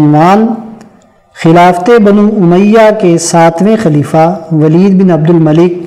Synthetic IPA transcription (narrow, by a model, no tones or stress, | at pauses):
nʋaːn | xɪlaːft̪ebɐnũːʊməjːakesaːt̪ʰʋẽxɐliːfaʋɐliːd̪bɪnɐb̚d̪ʊlmɐlɪk̚